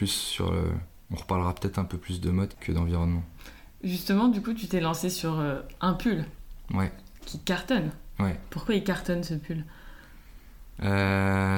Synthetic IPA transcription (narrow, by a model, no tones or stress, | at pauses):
lysːy̰ʁə̰ | ɔ̃ʁəpaʁlʁapə̥t̪ɛt̪χɛ̃pøplysd̪əmɔd̪kʰəd̪ɑ̃viʁɔnmɑ̃ | ʒyst̪əmɑ̃d̪ykut̪yt̪ɛlɑ̃sesyʁøɛ̃pylwɛ | kʲʰikaʁt̪ɔnwɛpuʁkwailkaʁt̪ɔnsəpʰyl | ø